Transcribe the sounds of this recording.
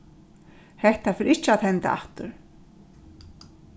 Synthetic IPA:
hɛht̪afɪːɾɪht͡ʃːɪaðhɛnt̪a̰ʔa̰ft̪ʏɾ̥

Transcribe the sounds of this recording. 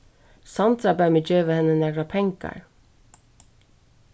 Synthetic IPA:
sɑnt̪ɾɑbæmɪd͡ʒøːʋəhɛnənæɡɾɑpʰɛŋkɑ̰ɹ

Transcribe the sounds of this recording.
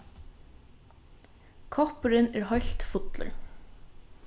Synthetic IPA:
kʰɑpəɾɪneːɾhɑɪɬt̪fʊt̪lə̰ɾ

